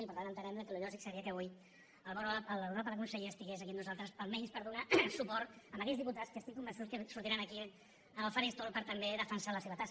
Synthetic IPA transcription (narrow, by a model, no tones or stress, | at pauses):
ipəɾt̪anənt̪ənɛmləkəluʎɔʒiksəɾiəkəβuj | əlˠβɔɾələβuɾapəɾəkunsəʎeəst̪iɣezɐkinuzalˠt̪ɾəsəlˠmɛɲspəɾðunasupɔɾt̪əməkɛd͡zðiput̪askəst̪ikːumbənsuskəsuɾt̪ieɾanəki | əlfaɾest̪olˠpəɾt̪əmbeðəfənsaləseβət̪as